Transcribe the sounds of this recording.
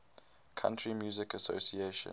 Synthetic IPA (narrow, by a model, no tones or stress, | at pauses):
kʰã̰ntʰɹimjuːzɪkəso̰sieʃə̰̃